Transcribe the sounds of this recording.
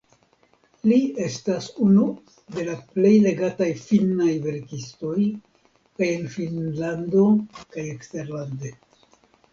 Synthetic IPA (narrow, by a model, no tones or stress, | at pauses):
lie̞stasunu | de̞laple̞jle̞ɡatajfinajve̞ɾkisto̞j | kaje̞nfinlando̞kaje̞kste̞ɾlande̞